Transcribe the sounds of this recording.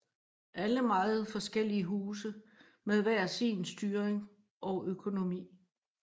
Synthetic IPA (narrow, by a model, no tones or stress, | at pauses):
ʔæləmɑ̈ːð̩ˠfɒ̽sɡ̥el̰iəɦuːs̬ə | meðˠʋæɐ̰sḭːnsd̥yːɐʁeŋ | ʔɒ̽ʔøkʰo̝no̝mḭː